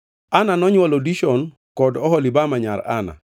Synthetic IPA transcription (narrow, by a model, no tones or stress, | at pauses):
ananɔɲwalodiʃɔn | kɔdɔɦɔlibamaɲa̰ɾa̰na̰